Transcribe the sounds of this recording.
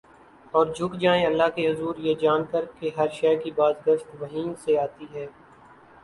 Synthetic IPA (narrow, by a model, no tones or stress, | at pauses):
ɔːɾd͡ʒʱʊkd͡ʒãːẽɐlːaɦkeɦʊzuːɾjed͡ʒaːnkəɾkeɦɐɾʃɛːkibaːzɡəʃt̪ʋɐɦĩːseaːt̪iɦɛː